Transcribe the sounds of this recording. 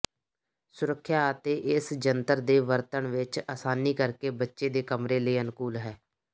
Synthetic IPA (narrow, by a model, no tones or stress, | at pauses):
sʊɾəkʰːjaːət̪eːʔɪsd͡ʒənt̪əɾd̪eːʋəɾt̪əɳʋɪt͡ʃaːsaːniːkəɾkeːbətːʃeːd̪eːkəmɾeːləiːənkuːlɦɛː